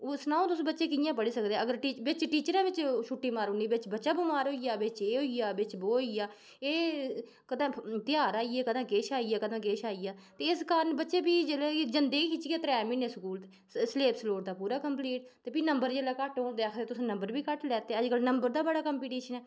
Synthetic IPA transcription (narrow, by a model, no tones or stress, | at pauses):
ʊsnaːõːt̪ʊsːbətːʃẽːkɪjãːpəɽiːsəkd̪eːəɡəɾʈiːʋɪt͡ʃʈiːt͡ʃəɾãːʋɪt͡ʃʃʰuːʈːiːmaːɾoːniːʋɪt͡ʃbətːʃaːbomaːɾɦoːijaːʋɪt͡ʃeːɦoːijaːbɪt͡ʃboːijaː | eː | kəd̪ãːt̪ɪjaːɾaːiːɛːkəd̪ãːkeːʃaːijaːkəd̪ãːkeːʃaːiːaːt̪eːɪskənbətːʃeːbiːd͡ʒeːled͡ʒənd̪eːiːkɪt͡ʃɡeːt̪ɾɛːmiːnẽːsəkuːl | sleːpsloːɽd̪aːpuːɾaːkəmpliːʈ̚t̪eːpiːnəmbəɾd͡ʒeːlaːkəʈɦoːnd̪eːəkʰeːt̪ʊsãːnəmbəɾbiːkəʈlɛːt̪eːəd͡ʒkəlnəmbəɾd̪aːbəɽaːkəmpiːʈiːʃənɛː